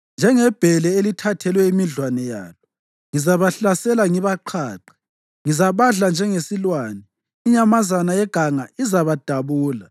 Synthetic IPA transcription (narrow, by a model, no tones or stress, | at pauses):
nd͡ʒʱɛŋɛb̥ʱɛlɛelitʰatʰɛlwɛimiɮwanɛja̰ːlɔ | ŋizaβaɬasɛlaŋiβaǃʰaːǃɛ̥ | ŋizaβaɮand͡ʒʱɛŋesilwaːnɛ | iɲamazanajɛɡ̥ʱaŋaizaβad̥ʱaβuːla